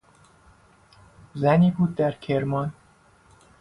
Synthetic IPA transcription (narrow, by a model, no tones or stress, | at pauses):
zæniput̪ːɛrkʰermɒn